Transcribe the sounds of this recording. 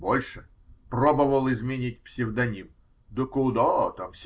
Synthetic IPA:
bolʲʂɨ | probəvəlˠɪzmʲɪnʲitʲpsʲɪvd̪ɐnʲim | d̪əkʊd̪at̪amsʲ

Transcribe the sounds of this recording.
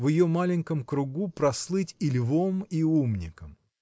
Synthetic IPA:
vʲjɪjomalʲɪnʲkəmkɾʊɡupɾɐslˠɨtʲɪlʲvomiumnʲɪ̰kəm

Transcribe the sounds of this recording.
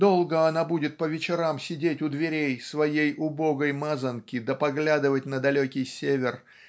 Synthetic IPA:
d̪o̞lˠɡəɐnabudʲɪt̪̚pəvʲɪt͡ɕɪɾamsʲɪdʲetʲʊd̪vʲɪɾʲejsvɐjejʊbo̞ɡəjmazənkʲɪd̪əpɐɡlʲad̪ɨvətʲnəd̪ɐlʲokʲɪjsʲevʲɪr

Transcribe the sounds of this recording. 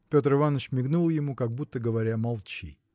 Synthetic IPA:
pʲo̞t̪ɾɨvanːət͡ɕmʲɪɡnulˠjɪmukɐɡ̚but̪ːəɡəvɐɾʲamɐlˠt͡ɕḭ

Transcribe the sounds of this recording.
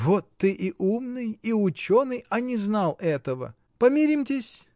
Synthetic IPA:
vot̪ːɨʔiʔumnɨjiʊt͡ɕonɨjɐnʲɪznalˠɛt̪əvə̰ | pɐmʲiɾʲimtʲɪsʲ

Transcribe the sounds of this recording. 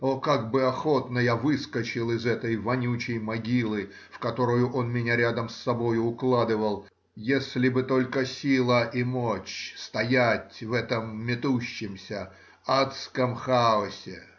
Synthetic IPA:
okaɡbɨɐxo̞t̪nəjavɨskət͡ɕɪlˠɪzɛt̪əjvɐnʲut͡ɕɪjmɐɡʲilˠɨ | fkɐt̪o̞ɾʊjʊʔo̞nmʲɪnʲaɾʲad̪əmsːɐbo̞jʊʊklˠad̪ɨvəlˠ | jesʲlʲɪbɨt̪o̞lʲkəsʲilˠəʔɪmot͡ɕst̪ɐjatʲvɛt̪əmːʲɪt̪uɕːɪmsʲə | at̪skəmxaʊsʲɪ

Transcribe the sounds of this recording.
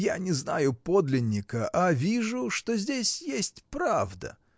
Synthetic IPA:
janʲɪzna̰jʊpo̞d̪lʲɪnʲːɪkəʔavʲiʐʊʂt̪o̞zʲdʲesʲjesʲtʲpɾavd̪ə̰

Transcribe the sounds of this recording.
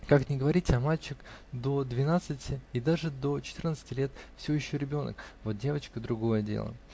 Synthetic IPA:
kaknʲɪɡəvɐɾʲitʲɐmalʲt͡ɕɪkd̪o̞d̪vʲɪnat̪sɨtʲɪɪd̪aʐɨd̪o̞t͡ɕɪt̪ɨrnət̪sɨ̥tʲɪlʲet̪fsʲɪvʲojɪɕːoɾʲɪbʲo̞nə̰kvo̞t̪̚dʲe̞vət͡ɕkəd̪ɾʊɡo̞jədʲḛlˠə̰

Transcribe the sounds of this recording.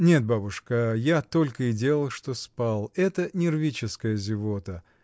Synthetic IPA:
nʲe̞t̪̚babʊʂkəjat̪o̞lʲkəɪdʲe̞lˠəlˠʂt̪o̞spalˠɛt̪ənʲɪrvʲit͡ɕɪskəjəzʲɪvot̪ə

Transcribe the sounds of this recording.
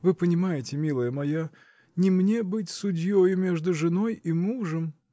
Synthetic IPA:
vɨpənʲɪmajɪtʲɪmʲilˠəjəmɐja | nʲɪmnʲebɨtʲsʊdʲjojʊmʲe̞ʐd̪ʊʐɨno̞jimuʐəm

